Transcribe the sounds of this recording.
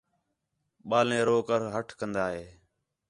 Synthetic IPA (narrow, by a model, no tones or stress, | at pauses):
ɓaːlẽːɾoːkəɾɦəʈʰkənd̪aːɦeː